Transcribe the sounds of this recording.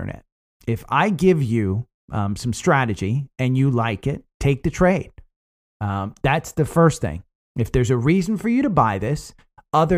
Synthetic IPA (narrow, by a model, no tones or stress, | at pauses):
ə̰˞nʔɛ̰t̚ | ɪfa̰ɪɡɪvjɨ | ʔsʌ̃mstɹ̥æɾɨd͡ʒiɨ̃njɨlaɪkɪtʰːeɪk̚ðɨtʰɹ̥eɪd̥̚ | ðætsðɨfɜ˞st̪θɪ̰̃ŋ | ɨfðə˞zɨɹizn̩fə˞jɨɾɨbaɪðɪs | ʌðə